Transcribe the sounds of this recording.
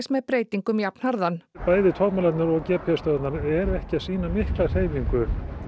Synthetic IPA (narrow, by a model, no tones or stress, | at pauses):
smɛðpɾeːjt̪iŋkʏmjapn̥haɾðanpaːjðɪt̪ʰɔkmalat̪nʏɾɔɣcɛːpʰɛst̪œðt̪naɾɛɾɛhcɪaðsiːnamɪhklaɣr̥eːjviŋkʏ